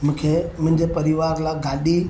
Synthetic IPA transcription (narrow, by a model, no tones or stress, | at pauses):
mʊ̃ːkʰemʊ̃ɦɪ̃ɲd͡ʑepɐɾiʋaːɾlãːɡaːɗi